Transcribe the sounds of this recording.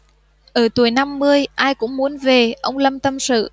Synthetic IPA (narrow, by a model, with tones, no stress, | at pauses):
ʔəː˧˩t̪u˧˩əjna˧mːɨ˧əjʔaː˧jkʊ̰˧˥ŋ͡mmu˨˦ənve˨˩ʔə˧wŋ͡mlə˧mt̪ə˧msɨ̰˧˨